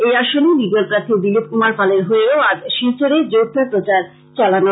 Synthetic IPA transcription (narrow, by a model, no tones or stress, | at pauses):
ejaʃonebiɡolpɾat̪ʰːid̪ilip̚kumaɾfaleɾɦoeɾoad͡ʑʃit͡ɕoɾed͡ʑot̪ʰːopɾot͡ɕaɾ | t͡ɕɔlano